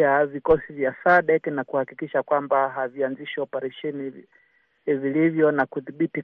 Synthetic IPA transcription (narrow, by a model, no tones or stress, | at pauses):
avikɔsivjasaɗɛknakuhakikiʃakwambaɦavianziʃiɔpaɾɛʃɛni | vilivjɔnakuðiɓiti